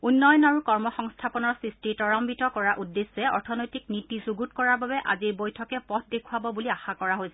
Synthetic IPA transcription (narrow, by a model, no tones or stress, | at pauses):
unːɔjɔnaɹukɔɹmɔxɔŋstʰapɔnɔɹsɹistiɹtɔɹɔmbitɔkɔɹaʔudːesːɛɔ̰ɹtʰɔnojtiknitizuɡutkɔɹaɹbabɛʔa̰zibojtʰɔkɛpɔtʰdekʰuabɔbuliaxakɔɹaɦojsɛ